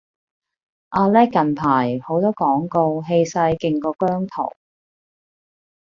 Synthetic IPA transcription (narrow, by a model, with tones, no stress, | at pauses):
ʔaː˧lɛː˥kːɐ˨npʰaː˨˩jho˨˥wt̪ɔː˥kɔː˨˥ŋko˧wɦe˧jsɐ˧jkɪ˨˧ŋkɔː˧kœː˥ŋt̪ʰo̰˨˩w